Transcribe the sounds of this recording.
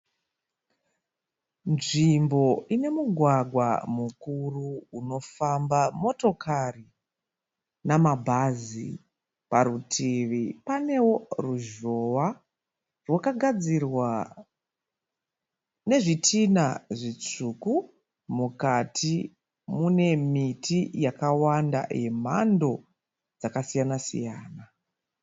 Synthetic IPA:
nʐimbo̞ine̞muɡʱwaɡʱwa̰mukuruuno̞fambamo̞to̞kʰari | namabʱazḭ | paɾutʰiʋipane̞wo̞ruʒo̞wa | rwakaɡʱad͡zirwa | ne̞ʐitʰinaʐit͡suːku | mukatʰi | mune̞mitʰijakawanda̰je̞m̤ando̞ | d͡zakasijanasḭjaːna

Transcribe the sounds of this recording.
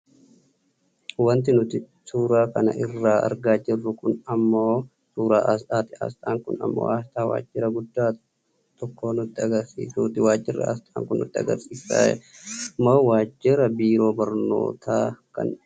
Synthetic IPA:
wɐnt̪ɪnʊt̪ɪ | suːɾaːkɐnɐ̰ʔɪrːaːʔɐ̰ɾɡaːd͡ʒɪrːʊkʊnɐmːoː | suːɾa̰ːʔɐst̪aːt̪ɪɐ̰st̪ʼaːŋkʊnɐ̰mːo̰ːaːst̪aːwa̰ːd͡ʒːɪɾɐɡʊd̪ːaː | t̪ɔkːo̞ːnʊt̪ːɪɐɡɐɾsḭːsuːt̪ɪwaːd͡ʒːɪrːɐ̰ɐ̰st̪ʼa̰ːŋkʊnːʊ̰t̪ːɪɐ̰ɡɐ̰ɾsiːsa̰ːɛ̰ɐmːoːwaːd͡ʒːɪɾɐbiːɾo̞ːbɐɾno̰ːt̪ʰaːkɐ̰n

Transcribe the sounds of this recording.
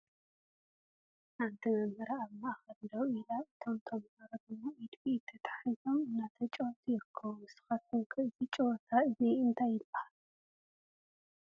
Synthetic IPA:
ħant̪ʰɐnɐmɡɐɾaːβmaaxɐllɐwilaɨt̪ʰo̞mt̪ʰomhaɾɐd̪ɨmoid̪biɪt̪ʰːɐt̪ʰʼḁħizo̞mɨnːat̪ʰɐt͡ʃʼowt̪ʰajɪɾɨkʰːɐβuɨsɨ̥xat̪̚ɨŋkʰɐɨzit͡ʃʼowt̪ʰaɨziɨnt̪ʰajːɪb̥ːɐhal

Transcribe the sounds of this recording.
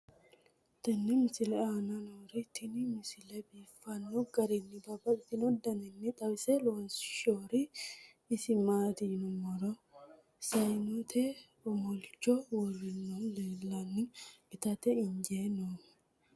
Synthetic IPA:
t̪ɐnːɪmɪsɪlɛaːnɐnoːɾɪt̪ʰːɪnɪmɪsɪlɛbiːfːɐnːɔɡɐɾɛnːɪbɐbɐɪt̪ːɪnɔd̪ɐnɛnːɪt̪ʼɐbsɛloːnsɪ̥ʃoːɾɪː | sɪmaːd̪inʊmɔɾɔ | sɐjnɔt̪ʰɛ | ɔmɔlt͡ʃːɔwɔrɪnːɔleːlːɐnːɪ̥ɪt̪ɐt̪ɛɪɲd͡ʒeːnoːm

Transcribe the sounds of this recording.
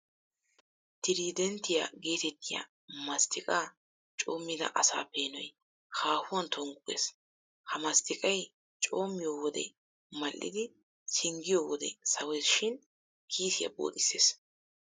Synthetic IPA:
t̪ɪɾiːd̪ɛnt̪ːɪjaɡe̞ːt̪ɛt̪ːɪja̰ | mɐst̪ʰɪkʼaː | t͡ʃʼo̞ːmːɪd̪ɐ̰ʔɐsa̰ːpe̞ːnɔj | haːhʊwɐnt̪ʰɔŋɡʊʔḛːs | hɐmɐst̪ɪkʼɐj | t͡ʃʼo̞ːmːɪjoːwɔd̪ɛ̰ | mɐlːʔɪ̰d̪ɪ | sɪŋɡɪjoːwɔd̪ɛ̰sɐwɛjsʃɪn | kʰiːsɪjɐ̰bo̰ːt̪ʼɪsːe̞̰ːs

